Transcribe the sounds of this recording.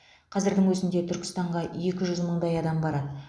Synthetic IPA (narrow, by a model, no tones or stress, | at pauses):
qʰɑzɪɾd̪ɪŋwɵzɪnd̪e̞t̪ʰʏɾkʲɪ̥st̪ɑɴʁɑje̞kʲɪʒʏzməɴd̪ɑjɑd̪ɑmbɑɾɑd̪ə